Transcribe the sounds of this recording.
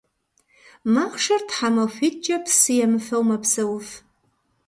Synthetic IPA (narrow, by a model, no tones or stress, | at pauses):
maχʂartʰħamafʷit̚t͡ʃʼɐpʰsɨjamfɐwmapʰsɐwf